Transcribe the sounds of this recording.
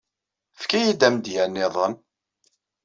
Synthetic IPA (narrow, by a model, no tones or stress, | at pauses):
fkæjid̪æmd̪jænːɪðˤən